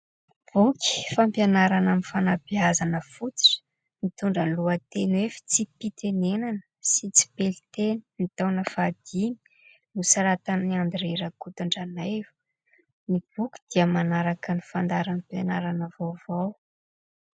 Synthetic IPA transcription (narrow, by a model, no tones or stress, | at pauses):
b̥uki̥fampjanaɾanamifanabiazanəfut͡si̥ʈ͡ʂə̥ | nit̪uɳɖ͡ʐəluət̪enwefi̥t͡sipit̪enenanə̥ | sit͡si̥pelit̪eninit̪awnəfad̪̥imi̥ | nusaɾat̪aniand̪iɾeɾəkut̪uɳɖ͡ʐanavu̥ | nib̥ukʲi̥d̪̥iəmanaɾakənifand̪aɾampjanaɾanəvowvaw